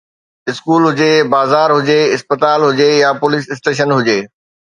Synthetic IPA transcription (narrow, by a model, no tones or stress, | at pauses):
ɪskuːlɦʊd͡ʑebaːzaːɾɦʊd͡ʑeɪspət̪aːlɦʊd͡ʑejapʊlisɪsʈeːʃ̬ənɦʊd͡ʑeː